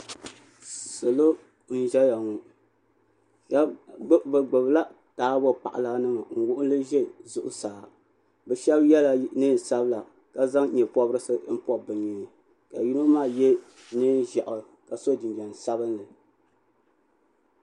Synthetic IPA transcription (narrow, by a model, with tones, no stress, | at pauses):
so˨lo˦ | n̩˦ʒɛ˦ja˨ŋu˨ | a˦bɨ˨ɡ͡bɨ˨bla˦ | taː˨˦bo˦pa̰˨ʔa̰˨la˨˦nɨ˦ma˨ŋ̩˨wʊ˦ʔʊ˦nlɨ˦ʒɛ˦zʊ˨ʔʊ˦saː˨ | bɛ˨ʃɛ˦bjɛ˦la˨nɨ˦n˨sa˦bla˨ | ka˨za˦ŋ˦ɲɛ˨pɔ˦bɾɨ˦sɨ˦m̩˦pɔ˦bɨ˨ɲi˨ɲi˨ | ka˨ji˦no˦maː˦˨jɛ˦ | nɨ˦n˦ʒɛ˨ʔʊ˨ | ka˨so˦di˨n˨ɡɛ˨n˨sa˦bɨ˦nlɨ˨